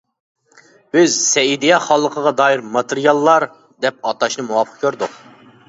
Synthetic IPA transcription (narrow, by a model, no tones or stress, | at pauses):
b̥ɪzsɛjid̪ijɛχɑlˠːəqʰəʁɑd̪ɑːjiɾmɑt̪eɾijɑlˠːɑɾ | d̪ɛp̚ɑt̪ɑʃnɨmuwɑpʰə̥q̚kʲʰøɾd̪ʊq